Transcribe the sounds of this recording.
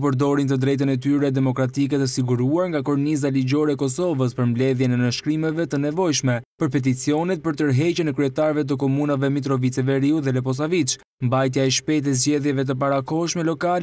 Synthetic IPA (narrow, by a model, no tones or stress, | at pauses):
pəɾd̪ɔɾint̪əd̪ɾɛjt̪ənɛt̪yɾɛd̪ɛmɔkɾat̪ik̬ɛt̪əsiɡuɾuaɾŋɡakɔɾnizaliɟɔɾɛkɔsɔvəs̬pəɾmblɛðjɛnɛnəʃkɾimɛvɛt̪ənɛvɔjʃmɛpəɾpɛt̪̬it͡siɔnɛt̪̚pəɾt̪əɾɦɛcənɛkɾyɛt̪aɾvɛt̪̬ək̬ɔmunavɛmit̪ɾɔvit͡sɛvɛɾiuðɛlɛp̬ɔs̬avit͡ʃ | mbajt̪̬jaɛʃpɛt̪̬ɛzɟɛðjɛvɛt̪̬əp̬aɾakɔʃmɛlɔkal